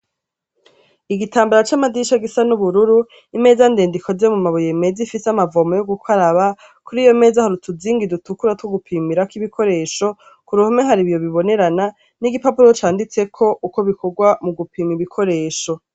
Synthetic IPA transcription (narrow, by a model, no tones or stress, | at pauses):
iɡitaːmbaɾat͡ʃamadiʃaɡisanuβuɾuɾu | ime̞zande̞ːndikʰo̞zemumaβoje̞me̞zifiseamavo̞mojoɡukʰaɾaβa | kuɾiːjo̞me̞ːzahaɾutuziːŋɡidutukuɾatwoɡupʰiːmiɾakiβikʰo̞ɾe̞ːʃo̞ | kuɾuhameɦaɾiβjo̞βiβo̞ne̞ɾana | niɡipapuɾo̞t͡ʃaːndit͡se̞kʰo̞ʔuko̞βiko̞ɡwamuɡupiːmiβikʰo̞ɾe̞ːʃo̞